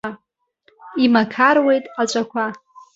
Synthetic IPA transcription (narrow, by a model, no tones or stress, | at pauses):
imakʰarwe̞jtʼat͡ʃʷʼakʷʰa